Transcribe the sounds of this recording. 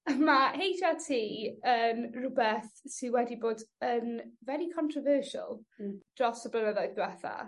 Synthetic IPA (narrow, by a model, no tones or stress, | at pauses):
mahejd͡ʒatʰiːənrʊbɛθsɪwɛdiboːdənvɛɾikʰɔntʰrɔvəːʃa̰lˠd̥rɔsəblənəðɔɨðbwɛθa̰